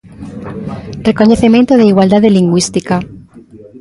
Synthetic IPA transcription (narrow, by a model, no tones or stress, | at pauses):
rekoɲeθemẽnt̪oðeiɣwald̪aðeliŋɡwist̪ika